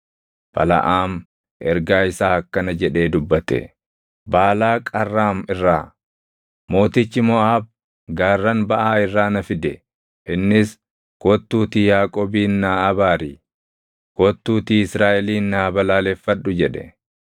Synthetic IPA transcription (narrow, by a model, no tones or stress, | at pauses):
bɐ̰lɐ̰ʔaːm | ʔɛɾɡaːɪsaːɐkːɐnɐd͡ʒɛᶑe̞ːd̪ʊbːɐt̪ɛ̰ | baːlaːkʼɐrːaːmɪrːaː | mo̞ːt̪ɪt͡ʃːɪmɔʔaːb̚ | ɡaːrːɐnbɐʔaːɪrːaːnɐfɪd̪ɛ | ʔɪnːɪs | kɔt̪ːuːt̪ijaːkʼoːbiːnːaːɐbaːɾiː | kɔt̪ːuːt̪iːɪsɾaːʔɛliːnːaːbɐlaːlɛfːɐᶑʊd͡ʒɛᶑɛ̰